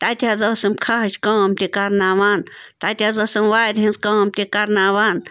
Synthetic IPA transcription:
t̪at̪ʲazosɨmkʰaɦɐt͡ʃʲkoːmt̪ikɐɾnaːʋaːn | t̪at̪ʲazosɐmwaːjɾɦĩnzkoːmt̪ʲikɐɾnaːʋaːn

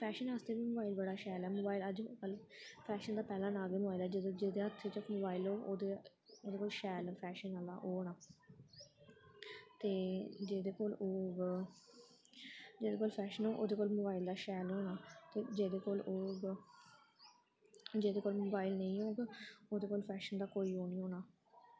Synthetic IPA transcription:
pʰɛːʃənaːst̪eːʋiːmoːbaːilbəɽaːʃɛːlɛːmoːbaːiləd͡ʒkəlpʰɛːʃənd̪aːpɛːlãːnaːɡeːmobaːilɛːd͡ʒ̪d͡ʒeːd̪eːət̪ʰːeːt͡ʃəmoːbaːilɦoːʔoːd̪e | oːd̪eːkoːlʃɛːlpʰɛːʃənala̰ːʔoːnaː | t̪eːd͡ʒeːd̪eːkoːloːɡ | d͡ʒeːd̪eːkoːlpʰɛːʃənɦoːʔo̰ːd̪eːkoːlmoːbaːild̪aːʃɛːlɦoːnaːt̪eːd͡ʒeːd̪eːkoːloːɡ | d͡ʒeːd̪eːkoːlmoːbaːɪlnəĩːɦoːɡeːoːd̪eːkoːlpʰɛːʃənd̪aːkoːiːɦoːnĩːɦoːnaː

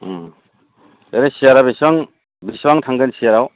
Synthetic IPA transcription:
eɾesijaɾabiswaŋ | biswaŋtʰaŋɡɯnsijaɾaw

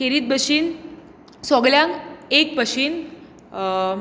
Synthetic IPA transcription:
keɾiːt̪̚bʱəɕiːn | sɔɡɭjãŋkek̚pəɕiːn

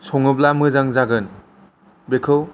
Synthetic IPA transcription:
sʰɔŋɯblamɯzaŋzaɡɯn | bekʰɯw

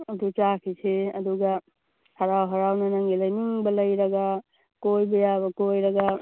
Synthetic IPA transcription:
ɐd̪ut͡ʃakʰiseɐd̪uɡɐ | hɐɾawɦɐɾawnɐnɐŋɡilɐjniŋbɐlɐjɾɐɡa | kojbɐjaβɐkojɾɐɡa

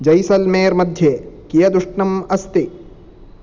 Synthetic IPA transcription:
d͡ʒɐjsɐlmeːɾmɐd̪ʱjekijɐd̪uʂɳɐmɐst̪i

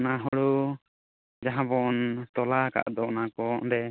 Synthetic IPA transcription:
naɦɔɽu | d͡ʒaɦãbɔnt̪ɔlaka̰ʔd̪ɔnakɔʔd̪ɛ

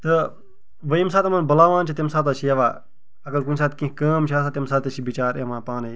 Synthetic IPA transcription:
t̪ɨ | ʋəims̬aːt̪ɐmɐnbɐlaːʋãːnt͡ʃʰit̪emsaːt̪ɐt͡ʃʰijɐʋa̰ː | ɐkɐlkunʲsaːt̪kĩkɐːmt͡ʃʰaːs̬at̪ʲemsaːt̪ɐt͡ʃʰibit͡ʃaːɾemãːpaːnɐ

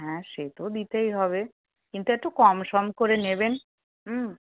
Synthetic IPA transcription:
ɦɛ̃ʃet̪od̪it̪ejɦɔbe | kint̪uek̚ʈukɔmʃɔmkoɾeneben | m̩ː

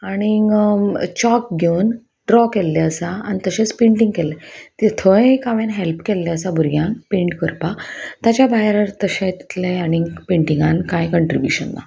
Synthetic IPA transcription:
aɽ̃i | t͡ɕɔk̚ɡʱewn | ɖɾɔkɛlːaəsaañit̪əɕẽt͡speɳʈĩŋɡkɛlːet̪et̪ʰəkaʋenɦelpkɛlːasabʱuɾɡjãnpeɳʈkəɾpat̪jat͡ɕabaɦeɾəɾt̪əɕẽt̪i̥t̪leaɽ̃ipeɳʈiŋɡankãjkəɳʈɾibjṵɕə̰nːa̰

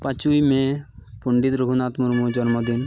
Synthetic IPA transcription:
pat͡ʃujmẽpuɳɖit̪ɾuɦunat̪muɾmud͡ʒɔnmɔd̪in

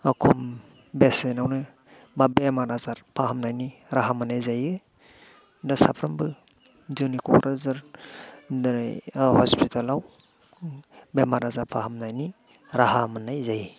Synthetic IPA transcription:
akʰum | besenawnɯ | babemaɾazaɾpʰahamnajniɾaɦamanajzajɯ | dasapʰɾɯmbɯ | zɯnikʰɔ̰ɾʔazɯɾ | dɾa̰jhɔspʰitʰalaw | bemaɾazaɾpʰaɦamnajni | ɾahamanajzajɯ

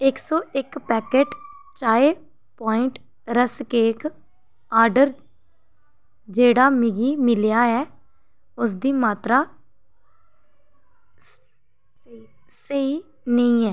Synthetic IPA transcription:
ɪksɔːʔɪkpɛːkeːʈ | t͡ʃaːeː | paːɪɳʈ | ɾəskeːk | aːɾɖəɾ | d͡ʒeːɽaːmɪɡiːmɪljaːɛː | ʊsd̪iːmaːt̪ɾaː | səiː | nəĩːɛː

